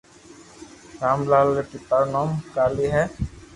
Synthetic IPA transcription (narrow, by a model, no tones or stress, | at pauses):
ɹamlalːɛpitaɹnɔmkaliɦɛ